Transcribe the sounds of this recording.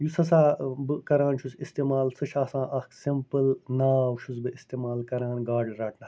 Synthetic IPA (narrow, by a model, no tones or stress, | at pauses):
jusɐs̬aːbɨkɐɾãːnʃʰusist̪eːmaːlsɐʃaːsãːʔɐksimpɐlnaːwʃus̬bɨʔist̪eːmaːlkɐɾãːnɡaːɖɐɾaːʈʰnɐ